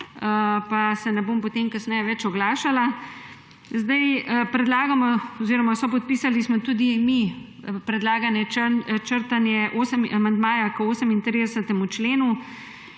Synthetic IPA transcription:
əpasɛnɛboːmpɔt̪emkasnɛjɛʋɛt͡ʃɔɡlaːʃala | zd̪ajəpɾɛd̪laːɡamɔɔziːɾɔmasɔpɔt̪̚piːsalismɔt̪uːd̪imi | pɾɛd̪laːɡanjɛt͡ʃəɾt̪anjɛʔoːsəmamand̪maːjakoːsəmint̪ɾid̪ɛsət̪ɛmut͡ʃleːnu

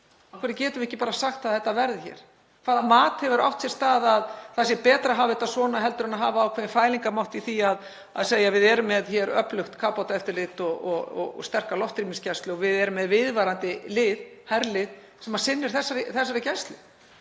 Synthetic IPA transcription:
awkʰvɛɾɪcɛːt̪ʏvɪhcːɪpaːɾasaxt̪aðθɛht̪ːavɛɾðɪçɛ̰ːɾ̥ | kʰv̥aːðamaːt̪hɛvʏɾa̰wt̪sɛst̪aːðaðθasjɛpɛːt̪ɾaɦaːvɪt̪asvɔːnaɦɛl̪t̪ʏɾʏnaɦaːvaːwkʰvɛːnfaːjliŋkamawht̪iθiað | a̰ðseːjavɪðɛɾʏmːɛðçɛːɾœ̰plʏxt̪kʰaːpawt̪aɛft̪ɪɾlɪt̪ɔɔɣɔ̰ɔ̰st̪ɛr̥kalɔht̪ɾiminscɛst̪lʏɔvɪðɛɾʏmːɛðvɪðvaɾant̪ɪlɪːðhaɾlɪð | sɛmḁsɪnːɪɾ̥θɛsːaɾɪθɛsːaɾɪcɛst̪lɪ

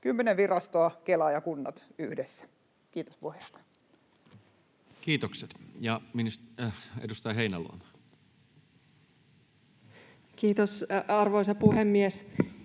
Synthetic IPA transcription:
kymːeneʋʋirɑst̪oɑkelɑjɑkunːɑ̰t̪yhdesːæ̥ | kiːt̪o̥spuhest̪ɑ̥ | kiːt̪okset̪jɑminisḛdust̪ɑjɦeinælṵɑ̰mɑ | kiːt̪osɑrʋoisɑpuhemːies

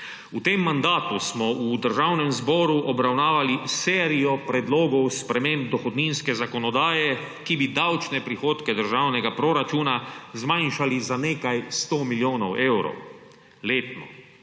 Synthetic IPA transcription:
ut̪eːmːand̪aːt̪usmɔʔud̪əɾʒawnɛmzbɔːɾuʔɔbɾawnaːʋalisɛːɾijɔpɾɛd̪loːɡɔwspɾɛmẽmb̚d̪ɔxɔd̪ninskɛzakɔnɔd̪aːjɛ | kibid̪awt͡ʃnɛpɾixoːt̪kɛd̪əɾʒaːwnɛɡapɾɔɾat͡ʃuːnazmajnʃalizaneːkajst̪oːmiljoːnɔwʔewɾɔ̰w | leːt̪nɔ̰

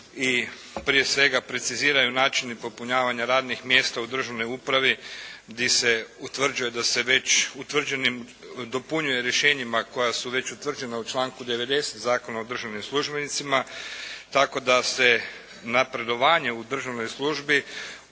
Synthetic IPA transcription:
i | pɾije̞sʋe̞ɡapɾe̞t̪siziːɾajunaːt͡ʃinipo̞puɲaːʋaɲaɾaːd̪nixmje̞ːst̪aud̪r̩ʒaʋno̞jupɾaʋid̪ise̞ut̪ʋr̩d͡ʒujed̪ase̞ʋe̞t͡ɕut̪ʋr̩d͡ʑe̞nim | d̪o̞puɲuje̞ɾje̞ʃe̞ːɲimako̞jasuʋe̞t͡ʃut̪ʋr̩d͡ʒe̞naut͡ʃlaːŋkud̪e̞ʋe̞d̪e̞set̪zaːko̞naod̪r̩ʒaʋnimslˠuʒbe̞nit̪simat̪ako̞d̪ase̞ | napɾe̞d̪o̞ʋaːɲe̞ud̪r̩ʒaʋno̞jslˠuʒbi

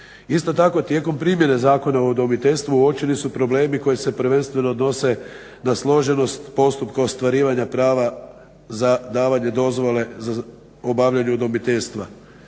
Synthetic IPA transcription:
ist̪o̞t̪ako̞t̪je̞ko̞mpɾimje̞ne̞zaːko̞naod̪omit̪eʎʲst̪ʋuuo̞pt͡ʃilisupɾo̞ble̞ːmiko̞jise̞pɾ̩ʋe̞nst̪ʋe̞no̞ːd̪no̞se̞ | naslˠo̞ʒe̞no̞st̪po̞st̪upkaost̪ʋaɾiːʋaɲapɾaːʋa | zad̪aːʋaɲe̞d̪o̞zʋo̞le̞za | obaʋʎaɲeud̪omit̪eʎst̪ʋa

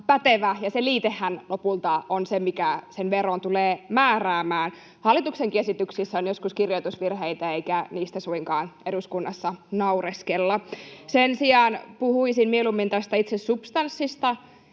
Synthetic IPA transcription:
pæt̪eʋæjɑseliːt̪ehːænlopult̪ɑonsemikæsenʋeront̪uleːmæːræːmæːn | hɑlːit̪ukseŋkiesit̪yksisːæonjoskuskirjoit̪usʋirɦeit̪æeikæniːst̪æsuiŋkɑːneduskunːɑsːɑnɑureskelːɑsensiɑːnpuhuisinmielumːint̪æst̪æit̪sessupst̪ɑnsːist̪ɑ

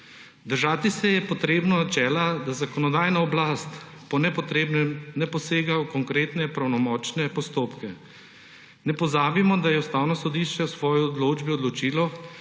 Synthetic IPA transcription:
d̪əɾʒaːt̪isɛjɛpɔt̪ɾeːbnɔnat͡ʃɛːlad̪azakɔnɔd̪aːjnaɔblast̪ | pɔnɛɛmnɛpɔseːɡawkɔŋkɾeːt̪nɛpɾawnɔmɔːt͡ʃnɛpɔst̪oːpkɛ | nɛpɔzaːbimɔd̪ajɛust̪aːwnɔsɔd̪iːʃt͡ʃɛwsʋɔːjiɔd̪loːd͡ʒbiɔd̪lɔt͡ʃiːlɔ

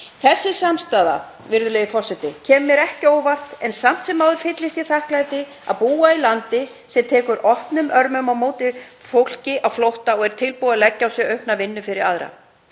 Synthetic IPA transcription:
θɛsːɪsamst̪aːða̰ | vɪɾðʏleːjðɪfɔr̥sɛt̪ɪcʰɛːmʏmjɛɾɛhcɪoːwvar̥t̪ɛnsam̥t̪sɛmːawðʏɾ̥fɪt̪lɪst̪i̥θahklajt̪ɪ | a̰ðpuːailant̪ɪ | sɛmt̪ʰɛːkʏɾʔɔhpnʏmœɾmœmawmoːwt̪ɪ | fowl̥cɪʔawflowht̪aɔɣɛɾ̥t̪ʰɪlpuaðlɛcːawsjɛœɥhpnavɪnːʏfɪɾɪɾaðɾa̰

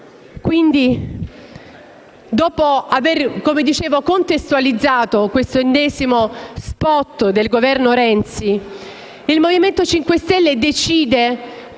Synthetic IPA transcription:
kwind̪i | d̪ɔːpoaverkomed̪it͡ʃeːvokont̪est̪ualid̪zːaːt̪okwest̪oenːɛːzimospɔt̪ːd̪elɡovɛrnoɾɛnt̪si | ilmoviment̪ot͡ʃiŋkwest̪ɛlːed̪et͡ʃiːd̪e

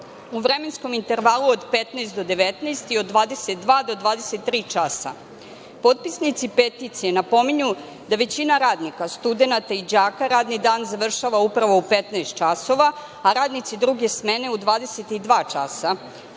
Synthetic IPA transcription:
uʋɾeme̞nsko̞mint̪e̞ɾʋaluod̪pet̪naːst̪d̪o̞d̪e̞ʋet̪nast̪io̞d̪ːʋaːd̪e̞set̪̚d̪ʋaːd̪o̞d̪ʋaːd̪eset̪ːɾiːt͡ʃasa̰ | po̞t̪̚pisnit̪sipet̪it̪sije̞napo̞meɲu | d̪aʋe̞t͡ɕinaɾaːd̪nikast̪ud̪e̞nat̪aid͡ʑaːkaɾaːd̪nid̪aːnzaʋr̩ʃaʋaupɾaʋo̞upet̪naest̪̚t͡ʃaso̞ʋa | aɾaːd̪nit̪sid̪ɾuɡe̞sme̞ne̞ud̪ʋaːd̪e̞set̪id̪ʋaːt͡ʃasa

